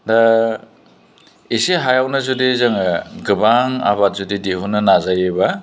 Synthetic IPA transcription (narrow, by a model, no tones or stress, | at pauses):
da | iseɦajawnɐzudezaŋɡɯbaŋa̰βat̚zudideɦunɐnazajeba